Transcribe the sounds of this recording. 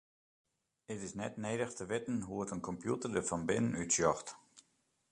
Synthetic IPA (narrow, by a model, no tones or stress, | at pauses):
ətɪsnɛtnejdəxtʰəʋɪtn̩ɦuətənkʰɔmpjutərdəfɔnbɪnənytsjɔxt